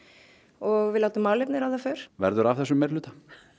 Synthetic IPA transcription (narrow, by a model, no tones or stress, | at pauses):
ɔɣvɪlaːwt̪ʏmːaːwlejpnɪɾawðafœːɾ̥vɛ̰ɾðʏɾav̥θɛsːʏmɛɾlʏːt̪ḁ